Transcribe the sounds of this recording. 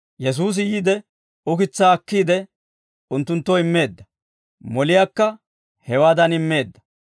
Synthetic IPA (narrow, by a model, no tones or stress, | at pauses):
jɛs̬uːs̬ɪjiːd̪ɛ | ʊkɪt͡sːaːɐkːiːd̪ɛ | ʊnt̪ːʊnt̪ːɔɪmːe̞ːd̪ːɐ | mɔlɪjaːkːɐ | hɛwaːd̪ɐnɪmːe̞ːd̪ːɐ